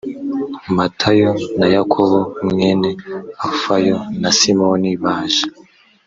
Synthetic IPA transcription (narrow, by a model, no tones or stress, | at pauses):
matʰajonajakʰoβomŋeːneafajonasimoniβaːʒḁ